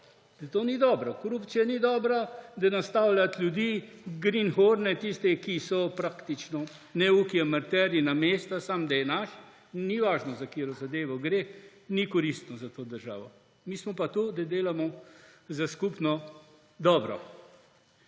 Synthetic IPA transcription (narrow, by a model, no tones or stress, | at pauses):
d̪̥ɐt̪oːnid̪ɔːbɾɔkɔɾupt̪sijanid̪ɔːbɾad̪anast̪aːwlʲat̪lʲjud̪iːɡɾinxoːɾnɛt̪ist̪ɛkisɔpɾakt̪it͡ʃnɔ | nɛukiɛmaɾt̪ɛːɾjinameːst̪asamd̪ɐjɛnaʃ | niʋaːʒnɔzakeːɾɔzad̪eːʋɔɡɾeː | nikɔɾist̪nɔzat̪oːd̪əɾʒa̰ːʋɔ | miːsmɔpat̪ud̪ad̪eːlamɔzaskupnɔ | d̪ɔːbɾɔ̰